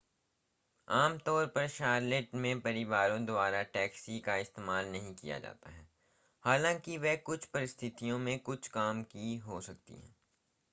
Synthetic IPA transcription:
aːmt̪ɔːɾpɐɾʃaːɾlɪʈmẽpɐɾɪʋaːɾõd̪ʊaːɾaʈɛːksikaɪst̪eːmaːlnɐɦĩkḭja̰d͡ʒa̰ːt̪a̰ɦɛː | haːlãːkiʋɛɦkʊt͡ʃʰpɐɾɪst̪ʰɪt̪ijõmẽkʊt͡ʃʰkaːmkiɦosɐk̚t̪ḭɦɛ̰̃ː

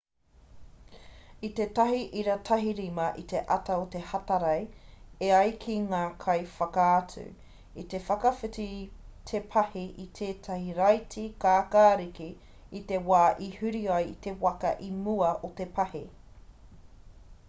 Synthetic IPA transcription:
it̪et̪ɐɦiʔiɾɐt̪ʰɐɦiɾimɐʔit̪e̞ʔɐt̪ɐot̪ehɐtɐɾɐjeɐjkʰiŋaːkʰɐjfɐkaːt͡sʉ̰ | it̪e̞fɐkɐfitit̪ʰepʰɐhiʔit̪ʰeːtʰɐhiɾɐjtʰikaːkaːɾiki | it̪e̞waːʔihʉɾiajit̪e̞wɐkɐ̰ʔimuɐʔot̪epʰɐhi

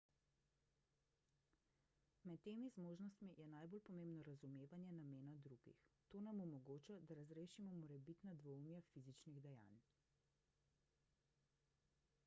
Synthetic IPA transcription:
mɛt̪ːeːmizmoːʒnɔst̪mijɛnajbolpɔmẽmbnɔɾazumeːʋanjɛnameːnad̪ɾuːɡḭxt̪oːnamɔmɔɡoːt͡ʃad̪aɾazɾeːʃimɔmɔɾɛbit̪nad̪ʋɔumjafizit͡ʃniɣd̪ɛja̰ːn

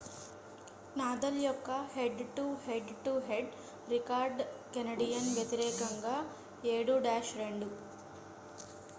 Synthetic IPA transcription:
naːd̪ɐljɔkːɐheɖʈuheɖʈuɦeɖ | ɾikaːɾɖkenɐɖijɐnʋjet̪iɾɛːkɐŋɡaː | eːɽuɖaːʃɾe̞ɳɖu

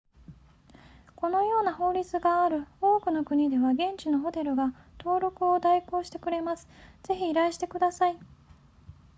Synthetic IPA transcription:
ko̞no̞jo̞ːnaho̞ːɾʲit͡sɨɡaːɾɯ̟o̞ːkɯ̟no̞kɯ̟ɲ̟id̪e̞βaɡẽ̞ɲ̟t͡ɕino̞ɦo̞t̪e̞ɾɯ̟ɡat̪o̞ːɾo̞kɯ̟o̞d̪aiko̞ːɕi̥t̪e̞kɯ̟ɾe̞masɨ̥z̥e̞çiːɾaiɕi̥t̪e̞kɯ̟d̪asai

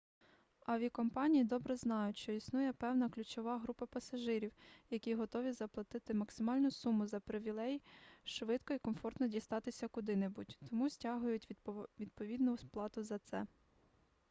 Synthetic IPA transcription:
ɐʋʲikɔmpɑnʲijid̪ɔbɾɛznɑjʊtʲʃt͡ʃɔisnujɛpɛwnɐklʲʊt͡ʃɔʋɑɦɾupɐpɐsɐʒɪɾʲiwjɐkʲiɦɔt̪ɔʋʲizɐplˠɐt̪ɪt̪ɪmɐksɪmɑlʲnʊsumʊzɐpɾɪʋʲilˠɛjʃʋɪt̪kɔikɔmfɔrt̪nɔdʲist̪ɑt̪ɪsʲɐkʊd̪ɪnebutʲt̪ɔmusʲtʲɑɦʊjʊtʲʋʲid̪̚pɔʋʲid̪nʊwsplˠɑt̪ʊzɐt̪sɛ

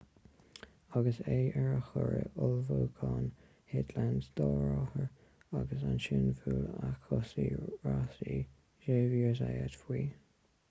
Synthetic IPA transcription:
aɡəseːɛɹəxɔɹəʔʊlvoːkʰɑːn | hɪd̪lansd̪̥ɔːɹɔhəɹ | aɡəsanʃɪnfuːlakʰɔsiːɹasi | ʒeːviːɹzajadfwiː

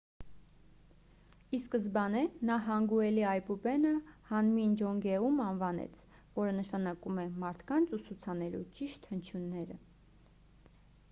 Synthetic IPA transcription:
iskəzbɑnɛnɑɦɑŋɡuɛliɑjpubɛnəhɑnmind͡ʒɔŋɡɛumɑnvɑnɛ̰t͡sʰ | vɔɾənəʃɑnɑkumɛmɑɾt̪ʰkɑnt͡sʰusut͡sʰɑnɛlṵt͡ʃiʃt̪hənt͡ʃʰjunːɛɾə̰

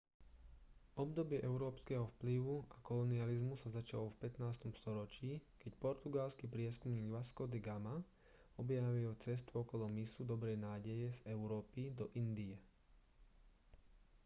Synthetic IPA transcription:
ʔɔb̚d̪ɔbɪɛʔɛʊɾɔːpskɛɦɔfpliʋuakɔlɔnializmusazat͡ʃalɔfpɛt̪naːst̪ɔmst̪ɔɾɔt͡ʃiːkɛcpɔɾt̪uɡalskipɾɪɛskumɲiːɡʋaskɔd̪ɛɡama | ɔbjaʋilɔt͡sɛs̬t̪uɔkɔlɔmisud̪ɔbɾɛjnaːɟɛjɛzɛʊɾɔːpid̪ɔʔind̪iɛ

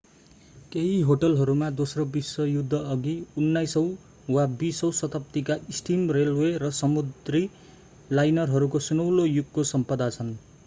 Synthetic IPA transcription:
keɦiɦoʈʌlɦʌɾumad̪osrobisːʌjud̪ʱːʌːɡiunːajsʌw̃ | wabisʌwsʌt̪ʰʌp̚t̪ikaisʈimrelwerʌsʌmud̪ri | lajnʌrɦʌɾukosunʌwlojuɡkosʌmpʌd̪at͡sʰʌn

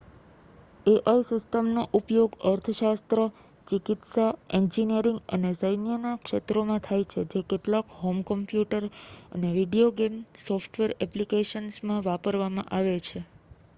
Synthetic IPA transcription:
eʔaisɪsʈəmnoʔupjoɡəɾt̪ʰəʃast̪ɾə | t͡ʃikɪt̪saeɲd͡ʒinijəɾɪŋɡə̰nesəjnjənakʃet̪ɾomãt̪ʰajt͡ʃʰed͡ʒekeʈlakɦomkəmpjuʈəɾə̰neʋiɖioɡemsɔfʈʋeɾɛplikeʃənsmãʋapəɾʋamã̰ʔaʋet͡ʃʰe

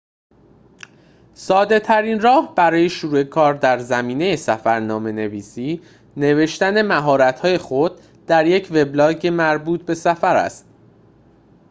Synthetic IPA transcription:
sɒːd̪e̞t̪ʰæɾinrɒːhb̥æɾɒːje̞ʃoɾue̞kʰɒːɾd̪æɾzæmiːne̞je̞sæfæɾnɒːme̞ne̞viːsiː | ne̞ve̞ʃt̪æne̞mæɦɒːɾæt̪ʰhɒːje̞xod̪ | d̪̥æɾje̞cʰve̞blɒːɟemæɾbuːt̪̚be̞sæfæɾæ̰st̪̚

